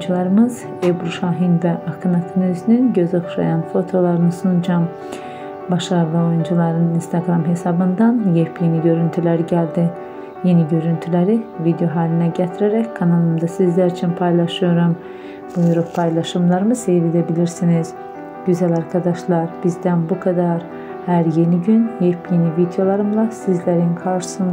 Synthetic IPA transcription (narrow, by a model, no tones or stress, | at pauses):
nd͡ʒulˠaɾɯmɯz | ebɾuʃaːɦinvɛʔakʰɯnat̪ʰɯnyznynɟøzaxʃa̰janfo̞t̪ʰo̞lˠaɾɯnɯsund͡ʒam | baʃaɾlˠɯojund͡ʒulˠaɾɯnɯninst̪ʰaɡɾamɦe̞sabɯnd̪anjɛpjeniɟø̞ɾynt̪ʰylʲæɾiɟælʲd̪i | je̞niɟø̞ɾynt̪ʰylʲeɾivid̪jo̞ɦaːlʲinɛɟɛt̪ʰiɾeɾɛckʰanalˠɯmd̪asizlʲæɾit͡ʃʰinpʰajlˠaʃɯjo̞ɾum | bujuɾuppʰːajlˠaʃɯmlˠaɾɯmɯsejvid̪ebilʲiɾsiniz̥ | ɟ̥yzælʲaɾkʰad̪aʃlˠaɾb̥izd̪ænbukʰad̪aɾ | hæɾje̞niɟynjɛpjenivid̪jo̞lˠaɾɯmlˠasizlʲeɾinkʰaɾʃɯ̥sɯn